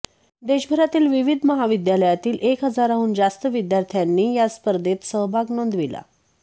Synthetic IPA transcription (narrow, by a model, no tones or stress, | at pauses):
d̪eɕbʱəɾat̪iːlʋiʋid̪ʱməɦaʋid̪jaləjat̪iːlʔekɦəd͡zaɾaɦuːnd͡zast̪əʋid̪jaɾt̪ʰjanːiːjaspəɾd̪et̪səɦbʱaɡnond̪ʋila̰